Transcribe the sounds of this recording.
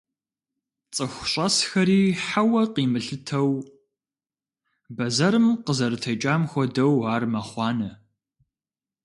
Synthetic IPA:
t͡sʼɨxʷɕʼɐsxɐɾiːħawɐqiːmɨɬɨtʰɐw | bɐzɐɾɨmqəzɐɾɨtʰɐt͡ʃʼaːmxʷɔdɐwaːrmɐχʷɑːnɐ

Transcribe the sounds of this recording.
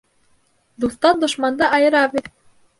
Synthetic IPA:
d̪ust̪ɑnd̪ŏʃmɑnd̪ɑʔɑjɤ̆ɾɑβet̪

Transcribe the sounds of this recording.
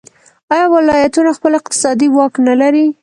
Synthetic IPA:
ɑjɑwɪlɑjat̪unaxpəlɪqt̪ɪ̥sɑd̪iwɑknalaɾi

